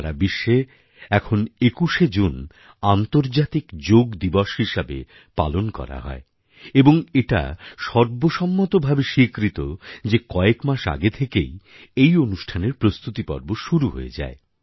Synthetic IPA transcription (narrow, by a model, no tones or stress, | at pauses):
ɾabiʃːe | ɛkʰonekuʃed͡ʑun | ant̪oɾd͡ʑat̪ikd͡ʑoɡd̪ibɔʃɦiʃabḛ | pa̰lonkɔ̰ɾa̰ɦɔ̰e | eboŋeʈa̰ʃɔɾboʃɔmːot̪obʱabeʃikɾit̪od͡ʑekɔekmaʃa̰ɡet̪ʰekḛj | ejonuʃʈʰaneɾpɾost̪ut̪ipɔ̰ɾboʃuɾuɦo̰ḛd͡ʑa̰e